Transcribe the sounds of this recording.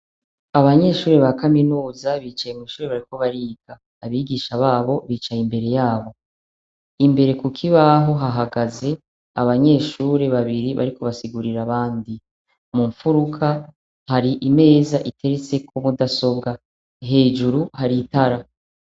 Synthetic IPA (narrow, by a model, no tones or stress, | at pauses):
aβaɲe̞ːʃuːɾe̞βakaminuːzaβiːt͡ʃajemwiːʃuːɾeβaɾiko̞βaɾiːɡ̥aːβiːɡiːʃaβaːβo̞βiːt͡ʃajimbe̞ɾe̞jaːβo̞ | imbe̞ɾe̞kukʰiβaɦo̞ɦaɦaɡaze̞ | aβaɲe̞ːʃuːɾe̞βaβiɾiβa̰ɾiko̞βasiɡuɾiɾaβaːndi | muɱfuɾukʰa | haɾiʔime̞ːzaʔitʰe̞ɾet͡se̞kʰomudaso̞bɡa | ɦe̞ːd͡ʒuɾuhaɾitaɾa